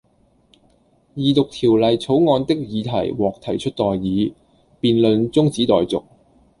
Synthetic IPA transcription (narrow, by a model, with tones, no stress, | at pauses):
jiː˨˩t̪ʊ˨k̚t̪ʰiː˨˩wlɐ˨jt͡sʰo˨˥wŋɔː˨˧nt̪ɪ˥k̚jiː˨˧t̪ʰɐ˨˩jwɔː˨k̚t̪ʰɐ˨˩jt͡ʃʰɵ˥t̚t̪ɔː˨jːiː˨˧ | piː˨˧nlɵ˨˧nt͡sʊ˥ŋt͡siː˨˥t̪ɔː˨jt͡sʊ˨˩k̚